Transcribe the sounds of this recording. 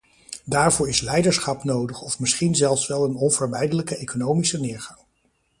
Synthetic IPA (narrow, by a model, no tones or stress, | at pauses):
daːɹvʊːɹɪslɛjdəɹsχɑpnowdəχɔfmɪsχinzɛlˠfsʋɛlˠənɔnvəɹmɛjdələkəejkonowmisənɪːɹχɑŋ